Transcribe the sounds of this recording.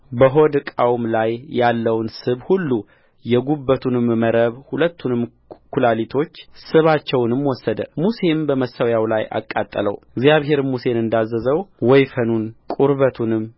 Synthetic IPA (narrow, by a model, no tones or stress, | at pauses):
bəɦo̞d̪kʼawmlajːalːəwnsɨβhulːu | jɛɡubːət̪ʰunɨmməɾəβhulət̪ʰːunɨm | kʰulalit̪ʰo̞t͡ʃːsɨβat͡ʃːɛwnɨmwɔsːəd̪ə̰muse̞mbəməsəwjawlajʔa̰kʼːat̪ʼːələ̰wɪɡzjaβɦe̞ɾmuse̞nɨnd̪azːəzəwwɔjfənunkʼuɾβət̪ʰunɨmː